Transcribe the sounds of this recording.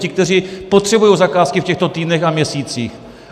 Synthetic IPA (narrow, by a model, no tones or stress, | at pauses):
cɪk̚t̪ɛr̝iːpo̞t̪r̝̥ɛbujowzakaːskɪfcɛxt̪o̞t̪iːdnɛxamɲɛsiːt͡sḭːx